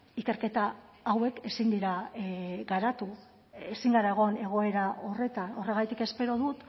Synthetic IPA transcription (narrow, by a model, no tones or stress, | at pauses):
ike̞ɾke̞t̪aː | we̞ke̞sind̪iɾa | ɡaɾat̪u | esiŋɡaɾaeɣo̞ne̞ɣ̞o̞e̞ɾaʔo̞re̞t̪ano̞re̞ɣ̞ajt̪ike̞spe̞ɾo̞ðut̪